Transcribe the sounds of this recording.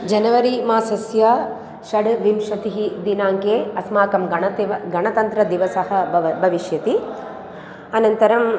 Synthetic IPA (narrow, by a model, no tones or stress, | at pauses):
d͡ʒɐnɐʋɐɾimaːsɐsjɐ | ʃɐɽʋimʃɐt̪iɦid̪inaːŋkeːɐsmaːkɐmɡɐɳɐt̪ɡɐɳɐt̪ɐnt̪ɾɐd̪iʋɐsɐɦɐbʱɐʋiʃjɐt̪i | ɐnɐnt̪ɐɾɐm